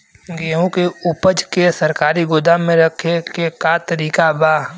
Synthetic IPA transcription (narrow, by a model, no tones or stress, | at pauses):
ɡeːɦõkeʊpəd͡ʒkesɐɾkaːɾiɡʊd̪amːẽɾɐkʰekekat̪əɾiːkabaː